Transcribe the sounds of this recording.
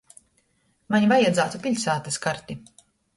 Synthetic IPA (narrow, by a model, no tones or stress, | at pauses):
maɲivajad̪zaːt̪upiʎʲsaːt̪ɨskaɾt̪ʲi